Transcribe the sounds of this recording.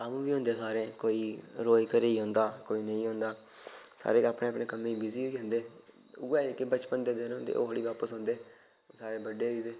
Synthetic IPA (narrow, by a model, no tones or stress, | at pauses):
amũːbiːɦʊ̃ːnd̪eːsaːɾẽːkoːiːɾoːikəɾeiːɦõːnd̪aːkoːiːnəĩːɦõːnd̪aː | sa̰ːɾeːaːpɽeːapɽneːkəmĩːbɪziːoiːɦʊ̃nd̪eː | ʊɡɛːekebət͡ʃpənd̪eːd̪ɪnõnd̪ḛːʔo̰ːɦəɽiːʋaːpəsɦõːnd̪eː | saːɾeːbəɖeːiːd̪eː